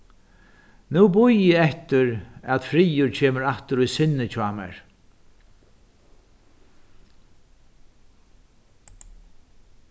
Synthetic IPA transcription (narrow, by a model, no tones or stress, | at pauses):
nuːbʊjɪɛht̪ɪɾæt̪fɾiːjʊɾt͡ɕʰeːməɾaht̪əɾʊjsɪnːɪt͡ɕʰaːmɛ̰ɹ